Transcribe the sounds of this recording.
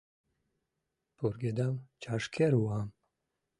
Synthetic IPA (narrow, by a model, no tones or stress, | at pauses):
pʰuɾɡed̪amt͡ʃʰaʃkʰeɾwam